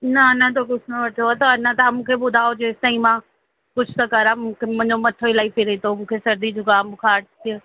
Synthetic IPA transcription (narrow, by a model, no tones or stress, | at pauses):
nɐnɐt̪̬okʊsʰnõʋɐʈʰoat̪ɐɐnɐt̪amũːkʰebʊd̪ʱaːod͡ʑeːst̪ɐ̃ĩmã | kʊd͡ʑʰʱʊsɐkɐɾamũːkʰemʊ̃ɲd͡ʑomɐt̪ʰoɪlaːipiɾet̪omũːkʰesɐɾd̪id͡ʑʊkaːmbʊ̃kʰaːt̪i